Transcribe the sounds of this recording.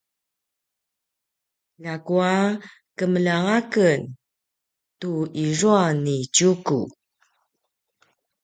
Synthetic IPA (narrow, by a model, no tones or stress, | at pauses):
lakua | kəməlaŋakən | tuiɹuanːit͡ɕukṵ